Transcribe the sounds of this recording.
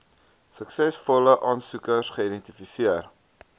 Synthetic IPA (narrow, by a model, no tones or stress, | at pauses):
səksɛsfɔləʔɑːnsukərsχəidɛnt̪ifisiər